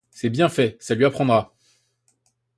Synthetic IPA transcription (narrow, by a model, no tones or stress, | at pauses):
sɛbjɛ̃fɛsalɥiapχɑ̃d̪ʁa